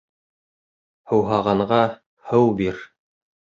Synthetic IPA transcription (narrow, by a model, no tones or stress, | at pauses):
hɤ̆wɦɑʁɑɴʁɑ | hɤwbiɾ